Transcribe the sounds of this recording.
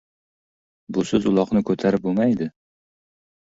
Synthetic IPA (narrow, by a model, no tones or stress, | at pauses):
bʊsɪzʊlˠɒqnɪkʰɵt̪ʰaɾɪp̚bomajd̪ɪ